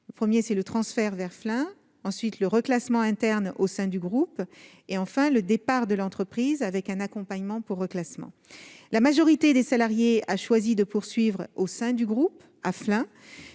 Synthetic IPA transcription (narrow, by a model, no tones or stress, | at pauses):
ləpχəmjesɛlət̪χɑ̃sfɛʁvɛʁflɛ̃ | ɑ̃sɥit̪ləʁəklasmɑ̃ɛ̃t̪ɛʁnosɛ̃d̪yɡʁup | eɑ̃fɛ̃ləd̪epaʁd̪əlɑ̃t̪χəpχizavɛkɛ̃nakɔ̃paɲmɑ̃puʁːəklasmɑ̰̃ | lamaʒɔʁit̪ed̪esalaʁjeaʃwazid̪əpuʁsɥivʁosɛ̃d̪yɡʁup | aflɛ̃